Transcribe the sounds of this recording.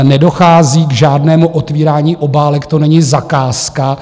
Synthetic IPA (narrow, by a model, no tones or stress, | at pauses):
nɛdo̞xaːziːɡʒaːdnɛːmuʔot̪viːɾaːɲiːʔo̞baːlɛkt̪o̞nɛɲɪzakaːska